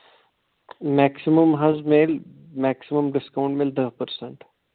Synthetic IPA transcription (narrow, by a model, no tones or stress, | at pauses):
mæksiməmɦɐzmeːl | mæksiməmɖɪskaũɳʈmeːld̪əɦpəɾseɳʈ